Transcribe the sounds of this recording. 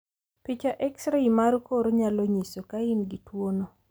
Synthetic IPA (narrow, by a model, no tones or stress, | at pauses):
pit͡ʃaʔɛksɾaimaɾkoɾɲaloɲisokaɪnɡitwono